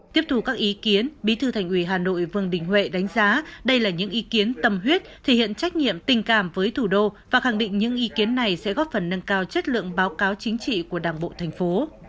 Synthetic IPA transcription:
t̪i˦˥əp̚t̪u˨˩kaː˦˥k̚ʔi˨˦ki˨˦ənɓi˨˦t̪ʰɨ˧˩t̪ʰa˨˩ŋ̟ʔwi˧˩ɦaː˨˩no̰˧˨jvɨ˧˨˩əŋɗï˨˩ŋ̟hwḛ˧˨ɗa˨˦jŋ̟zaː˨˦ɗə˧jlaː˨˩ɲɨ̰˧˥ŋʔi˨˦ki˨˦ənt̪ə˨˩mɦwi˦˥ət̚t̪ʰe˨˧˩hḭ˧˨ənt͡ɕa˦˥k̟̚ɲḭ˧˨əmt̪ï˨˩ŋ̟kaː˧˩mvəː˨˦jt̪ʰu˧˩ɗo˧vaː˨˩xa˧˩ŋɗḭ˧˨ŋ̟ɲɨ̰˧˥ŋʔi˨˦ki˨˦ənːa˨˩jsɛ̰˧˥ɣɔ˦˥t̚fə˨˩nːə˧nkaː˧wt͡ɕə˦˥t̚lɨ̰˧˨əŋɓaː˨˦wkaː˨˦wt͡ɕï˨˦ŋ̟t͡ɕḭ˧˨ku˧˩əɗaː˨˩ŋɓo̰˧˨t̪ʰɛ˨˩ŋ̟fo˨˦

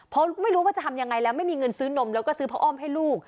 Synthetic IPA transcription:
pʰɔ˦˥ma˥˩jɾuː˦waː˥˩t͡ɕa˨˩t̪ʰmja˧ŋa˧jlɛː˦˥wma˥˩jmiː˧ŋɤ˧nsɯː˦˥no˧˥mlɛː˦˥wkɔː˥˩sɯː˦˥pʰa˦˥ʔɔː˥˩mɦa˥˩jluː˥˩k̚

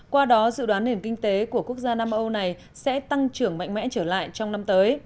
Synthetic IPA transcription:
kwaː˧ɗɔ˨˦zɨ̰˧˨ɗwaː˨˦nːi˨˩ənkï˧ŋ̟t̪e˨˦ku˧˩əku˦˥ək̚zaː˧naː˧mʔə˧wna˨˩j | sɛ̰˧˥t̪a˧ŋt͡ɕɨ˧˩əŋma̰˧˨jŋ̟mɛ̰˧˥t͡ɕəː˧˩la̰ː˧˨jt͡ɕɔ˧wŋ͡mna˧mt̪əː˨˦j

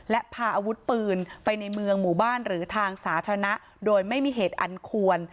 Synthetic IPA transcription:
lɛ˦˥ʔpʰaː˧ʔaː˧wu˦˥t̪̚pɯː˧npa˧jna˧jmɯ˧əŋmuː˨˩baː˥˩nɾɯː˩˦t̪ʰaː˧ŋsaː˩˦t̪ʰa˧ɾa˧na˦˥ʔ | doː˧jma˥˩jmiː˧ɦeː˨˩t̪̚ʔa̰˧nkʰu˧ən

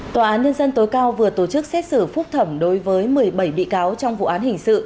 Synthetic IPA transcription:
t̪waː˨˩ʔaː˨˦nɲə˧nzə˧nt̪o˨˦jkaː˧wvɨ˨˩ət̪o˧˩t͡ɕɨ˦˥k̚sɛ˦˥t̚sɨ˧˩fʊ˦˥k͡p̚t̪ʰə˧˩mɗo˨˦jvəː˨˦jmɨ˨˩əjɓə˧˩jɓḭ˧˨kaː˨˦wt͡ɕɔ˧wŋ͡mvṵ˧˨ʔaː˨˦nhï˨˩ŋ̟sɨ̰˧˨

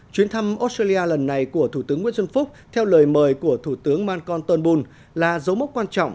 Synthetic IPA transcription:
t͡ɕwi˨˦ənt̪ʰa˧mʔo˦˥s̚taː˧li˧ʔaː˧lə˨˩nːa˨˩jku˧˩ət̪ʰu˧˩t̪ɨ˨˦əŋwḭ˧˥sə˧nfʊ˦˥k͡p̚t̪ʰɛ˧wləː˨˩jməː˨˩jku˧˩ət̪ʰu˧˩t̪ɨ˨˦əŋmaː˧nkɔ˧nt̪ə˧nɓu˧n | laː˨˩zə˨˦wmə˦˥k͡p̚kwaː˧nt͡ɕɔ̰˧˨ŋ͡mʔ

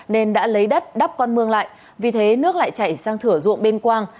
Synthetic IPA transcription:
ne˧nɗa̰ː˧˥lə˨˦jɗə˦˥t̚ɗa˦˥p̚kɔ˧nmɨ˧əŋla̰ː˧˨jʔ | vi˨˩t̪ʰe˨˦nɨ˦˥ək̚la̰ː˧˨jt͡ɕa˧˩jsaː˧ŋt̪ʰɨ˧˩əzʊ̰˧˨ə˨ŋɓe˧nkwaː˧ŋ

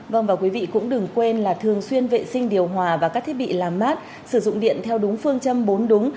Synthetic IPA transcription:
və˧˩wŋ͡mvaː˨˩kwi˨˦vḭ˧˨kʊ̰˧˥ŋ͡mɗɨ˨˩ŋkwe˧nlaː˨˩t̪ʰɨ˨˩əŋswi˧ənvḛ˧˨sï˧ŋ̟ɗi˨˩əwɦwaː˨˩vaː˨˩kaː˦˥k̚t̪i˦˥ɓḭ˧˨laː˨˩mːaː˦˥t̚ | sɨ˧˩zʊ̰˧˨ŋ͡mɗḭ˧˨ənt̪ʰɛ˧wɗʊ˨˦ŋ͡mfɨ˧əŋt͡ɕə˧mɓo˨˦nɗʊ˨˦ŋ͡m

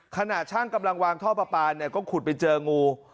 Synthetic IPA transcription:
kʰa˧na˨˩t̪̚t͡ɕʰaː˥˩ŋka˧mla˧ŋwaː˧ŋt̪ʰɔː˥˩pa˧paː˧nːi˥˩ɐkɔː˥˩kʰu˨˩t̪̚pa˧jt͡ɕɤː˧ŋuː˧

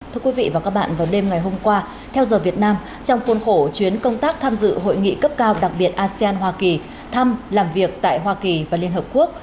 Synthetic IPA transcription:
t̪ʰɨ˧əkwi˨˦vḭ˧˨vaː˨˩kaː˦˥k̚ɓa̰ː˧˨vaː˨˩wɗe˧mŋa˨˩jɦo˧mkwaː˧ | t̪ʰɛ˧wzəː˨˩vi˨˩ət̚naː˧m | t͡ɕɔ˧wŋ͡mku˨˦ənxo˧˩t͡ɕwi˨˦ənkə˧wŋ͡mt̪aː˦˥k̚t̪ʰaː˧mzɨ̰˧˨ɦo̰˧˨jŋḭ˧˨kə˦˥p̚kaː˧wɗa˨˩k̚ɓi˨˩ət̚ʔaː˧si˧aː˧nɦwaː˧ki˨˩ | t̪ʰa˧mlaː˨˩mvi˨˩ək̚t̪a̰ː˧˨jɦwaː˧ki˨˩vaː˨˩li˧ənhəː˨˩p̚ku˦˥ək̚

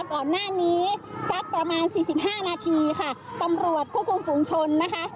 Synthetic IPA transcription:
kɔː˨˩nːaː˥˩niː˦˥sa˦˥k̚pɾa˧maː˧nsiː˨˩si˨˩p̚ɦaː˥˩naː˧t̪ʰiː˧kʰa˥˩t̪a˧mɾu˨˩ət̪̚pʰu˥˩kʰu˧mfuː˧ŋt͡ɕʰo˧nːa˦˥kʰa˦˥ʔ

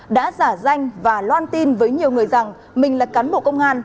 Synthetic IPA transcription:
ɗa̰ː˧˥zaː˧˩za˧jŋ̟vaː˨˩lwaː˧nt̪i˧nvəː˨˦jɲi˨˩əwŋɨ˨˩əjza˨˩ŋ | mï˨˩ŋ̟lə˨˩t̚kaː˨˦nɓo̰˧˨kə˧wŋ͡mʔaː˧n

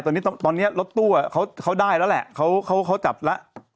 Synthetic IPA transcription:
t̪ɔː˧nːi˦˥˧t̪ɔː˧nːi˦˥ɐ˩lo˦˥t̪ːu˥˩ɐ˨kʰa˦˥wkʰa˦˥wdaː˥˩jla˦˥wlɛ̰˨˩ʔkʰa˦˥wkʰa˦˥wkʰa˦˥wt͡ɕa˨˩p̚la˦˥ʔ

